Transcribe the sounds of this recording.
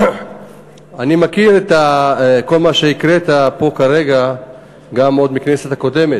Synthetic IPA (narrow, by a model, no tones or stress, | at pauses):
animakiʁet̪ako̞lmaʃeikʁet̪apo̞kaʁe̞ɡa | ɡamo̞d̪miknese̞t̪ako̞de̞met